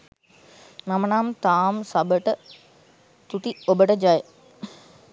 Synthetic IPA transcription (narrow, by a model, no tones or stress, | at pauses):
namənaːmt̪aːmsabəʈə | t̪ut̪iobəʈəd͡ʒajə